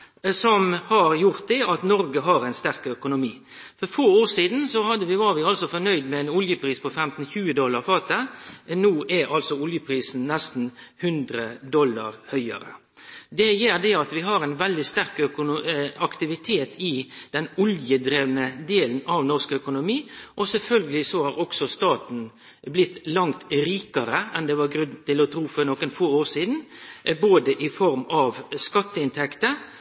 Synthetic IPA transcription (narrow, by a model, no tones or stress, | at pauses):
sɔmhɑɾjʊɾt̪̚d̪ɛɑt̪nɔɾɡəɦɑɾæɪnst̪æɾkœkʊnʊmiː | fɔɾfoːoːʂiːd̪nsɔhɑd̪ːəʋɪʋɑɾʋɪɑlsɔfɔnœʏd̪mɛɛnʊljəpʰɾiːspʰɔfɛmt̪n̩çʉːəd̪ɔlːɑɾfɑːt̪ənuːʔæɾɑlsɔʊljəpʰɾiːsn̩nɛst̪n̩hʉnd̪ɾəd̪ɔlːɑ̰ɾhœʏə̰ɾə̰ | d̪ɛjeːɾd̪ɛɑt̪ʋɪɦɑɾæɛɪnʋɛld̪ɪst̪æɾkœkʊɑkt̪ɪʋɪt̪ʰeːt̪ɪd̪̥ɛnɔljəd̪ɾeːʋənəd̪eːlən̩ɑʋnɔʁskœkʊnʊmiːʔɔsɛlfœlɡəlɪsɔhɑɾɔksɔst̪ɑːt̪n̩ | blɪt̪ːlɑŋt̪ɾiːkəɾəɛnd̪ɛʋɑɾɡɾʉnt̪ɪlɔt̪ʰɾuːfɔɾnɔːkːənfoːoːɾʂiːd̪n̩boːd̪əʔɪfɔɾmɑʋskɑt̪ːəɪnt̪ʰɛkt̪ə